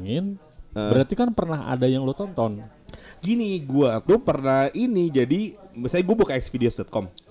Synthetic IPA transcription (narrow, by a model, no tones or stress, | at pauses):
ŋɪn | əbəɾat̪ikanpərnaɦa̰dajaŋluat̪ɔnt̪ɔnɡiniɡuat̪upərnahinid͡ʒadisajaɡuabukaɛksfideosdɔt̪̚kɔm